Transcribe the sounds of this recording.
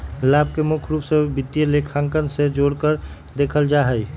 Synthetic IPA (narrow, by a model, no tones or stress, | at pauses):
laːb̚kemʊkʰɾuːpsebɪt̪jelekʰãŋkənsed͡ʒoːɽkəɾ | d̪eːkʰəld͡ʒaːɦəi